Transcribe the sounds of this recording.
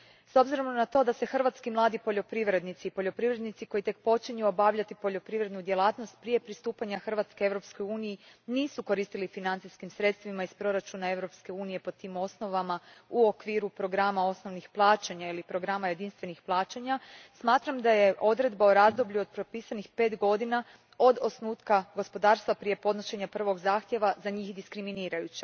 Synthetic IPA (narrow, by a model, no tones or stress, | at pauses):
so̞bziɾo̞mnat̪o̞ːd̪ase̞xr̩ʋat̪skimlˠaːd̪ipo̞ʎo̞pɾiʋɾe̞d̪nit̪siːpo̞ʎo̞pɾiʋɾe̞d̪nit̪siko̞jit̪e̞k̚po̞t͡ʃiɲuo̞baʋʎat̪ipo̞ʎo̞pɾiʋɾed̪nud̪jelˠaːt̪no̞st̪̚pɾije̞pɾist̪uːpaɲaxr̩ʋat̪ske̞e̞ʋɾo̞psko̞juːnijiniːsuko̞ɾiːst̪ilifinant̪iskimsɾe̞t̪st̪ʋimaispɾo̞ɾat͡ʃunae̞ʋɾo̞pske̞uːnije̞po̞t̪iːmo̞sno̞ʋamauokʋiːɾupɾo̞ɡɾamao̞sno̞ʋnixplˠaːt͡ɕeɲailipɾo̞ɡɾamaje̞d̪inst̪ʋe̞nixplˠaːt͡ɕaɲasmaːt̪ɾamd̪aje̞ʔo̞d̪ɾe̞d̪baoɾazd̪o̞bʎuo̞d̪̚pɾopiːsanixpe̞ːt̪ɡo̞d̪ina | o̞d̪o̞snuːt̪kaɡo̞spo̞d̪aːɾst̪ʋapɾije̞po̞d̪no̞ʃe̞ɲapr̩ʋo̞ɡzaːxt̪je̞ʋazaɲiːxd̪iskɾiminiːɾajut͡ɕe